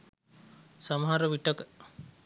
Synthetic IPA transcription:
saməɦaɾəʋiʈəkə

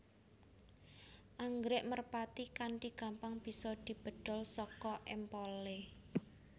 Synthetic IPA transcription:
ʔaŋɡɾɪʔmərpat̪ikaɳʈiɡ̥a̤mpaŋb̥i̤sɔd̪̥i̤b̥ə̤d̪̥ɔ̤lsɔkɔʔɛmpole

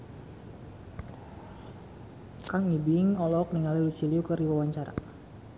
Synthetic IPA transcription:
kaŋibiŋɔlɔk̚niŋalilut͡ʃiliukərdiwawaɲt͡ʃaɾa̰

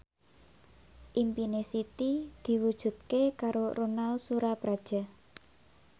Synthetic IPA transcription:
ʔimpinesit̪id̪̥i̤wud̥ʒ̥ṳt̪̚kekaɾoronalsuɾapɾad̥ʒ̥a̤

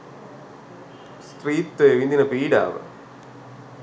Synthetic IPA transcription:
st̪riːt̪ːeʋind̪inɐpiːɖa̰ːʋɨ̰

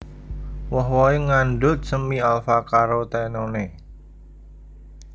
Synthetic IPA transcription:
wɔɦwɔeŋanɖʊt̪̚səmialfakaɾot̪ɛnone

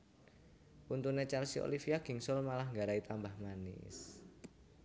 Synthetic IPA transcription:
punt̪unet͡ʃalsio̰lifiaɡ̥i̤ŋsɔlmalahŋɡaɾait̪ambahmanɪ̰s

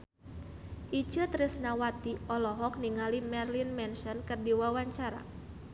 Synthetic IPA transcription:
ʔit͡ʃət̪ɾɪsnawat̪iɔlɔɦɔk̚niŋalimɛrlinmɛnsɔnkɨrdiwawaɲt͡ʃaɾa̰

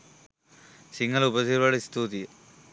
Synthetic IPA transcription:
siŋɡɐlupɐsiɾʋɐɽist̪uːt̪i

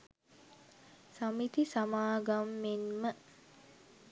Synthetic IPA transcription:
samit̪isamaːɡamːenmə

